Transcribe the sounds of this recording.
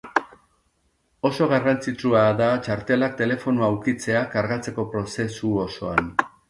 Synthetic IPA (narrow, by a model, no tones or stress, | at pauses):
o̞so̞ɣ̞arant͡sit͡suaðat͡ʃaɾt̪e̞lak̚t̪e̞le̞fo̞nuaːwkit͡se̞akaɾɣat͡se̞ko̞pɾo̞se̞suoso̞an